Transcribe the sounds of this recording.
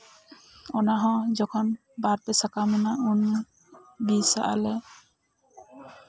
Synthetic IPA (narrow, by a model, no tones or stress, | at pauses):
ɔnaɦɔ̃d͡ʒɔkʰɔn | baɾpɛsakamɔnaunː | bisa̰ʔa̰lɛ